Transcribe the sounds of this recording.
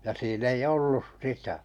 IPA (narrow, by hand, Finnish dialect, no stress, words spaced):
jɑ siːn ei olːus sitæ